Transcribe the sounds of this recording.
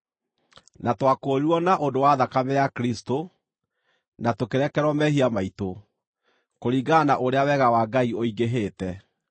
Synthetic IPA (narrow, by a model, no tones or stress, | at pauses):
natwakoːɾiɾwɔnaʔondowaðakamejakɾisto | natokeɾɛkɛɾwɔmɛhiamaito | koɾiːɡanaʔoɾeawɛɣawaːɡaioiɡeɦeːtɛ